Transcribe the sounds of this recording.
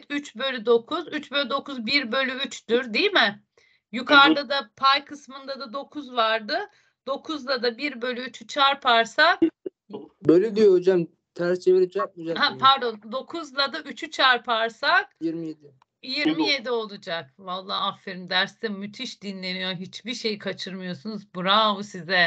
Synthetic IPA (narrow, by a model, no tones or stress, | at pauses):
t̪yt͡ʃbø̞lʲyd̪o̞kʰuzyt͡ʃbølʲyd̪o̞kʰuzbiɾbø̞lʲyyt͡ʃd̪yɾd̪ijimɪ | jukʰaɾd̪ˠad̪apʰajkʰɯsmɯnd̪ad̪ad̪o̞kʰuzvaɾd̪ɯ | d̪o̞kʰuzlˠad̪abiɾbø̞lʲyyt͡ʃʰyt͡ʃʰaɾpʰaɾsak | bølʲyd̪ijood͡ʒam | t̪ʰæɾst͡ʃʰeviɾid͡ʒɛk̚od͡ʒahapʰaɾd̪o̞nd̪o̞kʰuzlˠad̪aʔyt͡ʃʰyt͡ʃʰaɾpʰaɾsakjiɾmijed̪i | jiɾmije̞d̪io̞lˠud͡ʒakvalˠːaːafːeɾimd̪æɾsimyt̪ʰiʃd̪inlʲe̞nijoɦit͡ʃbiɾʃe̞jikʰat͡ʃʰɯɾmɯjo̞sunuzbuɾabusizɛ